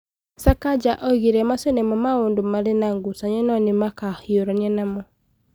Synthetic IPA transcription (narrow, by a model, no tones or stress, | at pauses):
sakad͡ʒaʔɔiɣiɾɛmasenɛmɔmaondomaɾenaŋɡusaɲɛnɔnɪmakahioɾanianamɔ